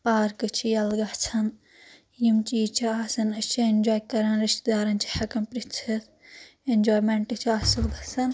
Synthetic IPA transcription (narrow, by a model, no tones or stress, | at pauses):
paːɾkɨt͡ʃʰijɐlɡɐht͡sʰɐn | jimt͡ʃiːt͡ʃʰiaːsɐnɐt͡ʃʰiend͡ʒoːjkɐɾɐnɾiʃt̪d̪aːɾɐnt͡ʃʰi̥hɐkɐmpɾit͡sʰɐt̪ʰ | end͡ʒoːjmeɳʈɨt͡ʃʰiaːsɐlɡɐt͡sʰɐn